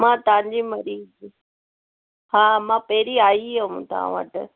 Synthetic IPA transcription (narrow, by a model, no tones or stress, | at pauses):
mãːt̪ɐʋ̤ãɲ̆d͡ʑimɐɾiːz | ɦaːmãpɐɦɪɾiaːiomũt̪aã̰ʋə̰ʈ